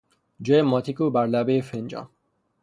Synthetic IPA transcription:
d͡ʒɔjemɔt̪ʰikubæɾlabefend͡ʒɑ̰n

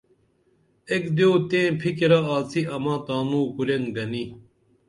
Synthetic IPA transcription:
ekd̪ioːt̪ẽːpʰikiɾaaːt͡sʰiʔɐmãːt̪aːnuːkuleŋɡɐni

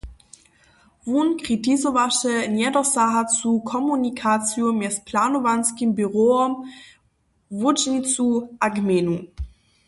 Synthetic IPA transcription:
vunkʁ̥itʰizovaʃənjɛdɐsaɦat͡sukʰɔmunikʰat͡sjomɛspʰlaːnovanskimbyʁoɔm | vud͡ʒnit͡suʔaɡmenu

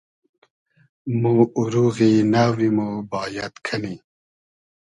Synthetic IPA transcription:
muuɾuɣinawimubɑːjat̪kʰani

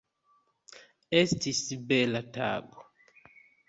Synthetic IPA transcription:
ɛstisibɛlata̰ːɡɔ

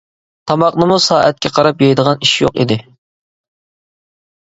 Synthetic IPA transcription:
t̪ʰɑmɑqnɨmusɑːʔɛt̪̚kʲʰɛqʰɑɾɑpjejd̪əʁɑniʃjo̰qḭd̪ɪ

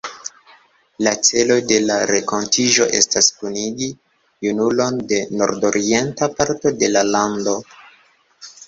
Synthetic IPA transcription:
lat͡se̞lo̞jde̞laɾeko̞ntiʒo̞ʔe̞̰staskuniɡi | junulo̞nde̞no̞̰ɾdo̞ɾʔie̞ntapaɾto̞de̞lalando̞

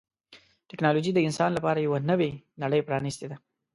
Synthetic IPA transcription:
ʈɪknɑlod͡ʒid̪əɪnsɑnlapɑɾajawanəwenaɽəjpɾɑnist̪ed̪a

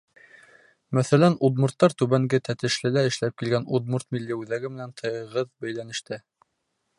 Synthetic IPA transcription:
mæθælænud̪murt̪ːɑɾt̪ʉβæŋɡɘt̪æt̪ɘ̆ʃlɘlæɘ̆ʃlæp̚kilɡænud̪̚muɾt̪milːiʉðæɡɘmɘ̆nænt̪ʰɤ̆jɤʁɤðbæjlænɘ̆ʃt̪ɘ

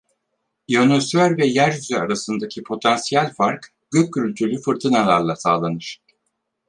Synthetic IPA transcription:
jonosvæɾvɛjæɾsyzɛaɾasɯnd̪acʰipʰo̞t̪ʰansijælʲfaɾk | ɟ̥øc̚ʰːyɾylʲt̪ʰyɾlʲyfɯɾt̪ʰɯnalˠaɾlˠasaːlˠanɯɾ̥

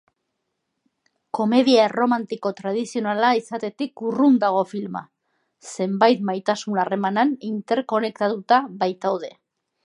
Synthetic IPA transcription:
ko̞me̞ðiaero̞mant̪iko̞t̪ɾað̞isio̞nalaisat̪e̞t̪ikurund̪aɣ̞o̞filma̰ | se̞mbajt̪majt̪asunare̞mananint̪e̞ɾko̞ne̞k̚t̪at̪ut̪aβajt̪awð̞e̞

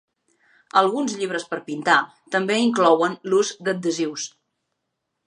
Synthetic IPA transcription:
əlˠɣunzʎiβ̞ɾəspəɾpint̪a | t̪əmbeiŋklɔwənluzd̪əd̪̚d̪əziws

